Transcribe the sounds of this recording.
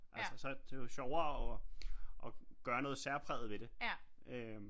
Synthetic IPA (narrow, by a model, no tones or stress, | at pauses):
ʔælsəsɒ̽d̥e̝oɕɒʊɐːɒ̽ʔɒ̽ɡ̥ɶːɐnɔ̽ːð̞̩ˠsæɐpʰʁɛ̰ːð̩ˠʋe̝d̥e̝ | ʔø